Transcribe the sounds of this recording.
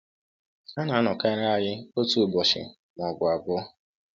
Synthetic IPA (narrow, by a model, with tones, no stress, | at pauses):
a˦na˨a˦nɔ˨ka˦ɾa˦a˨jɪ˦o˦tu˨bɔ˨ʃɪ̰˨ | m˨ɔ˨ɡʊ˨a˨ɡɔ˦